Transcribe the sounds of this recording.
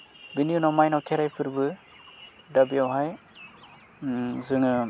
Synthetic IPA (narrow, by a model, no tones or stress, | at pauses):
binijunawmajnawkʰeɾajpʰɯɾbɯ | dabijawɦaj | zɯŋɯ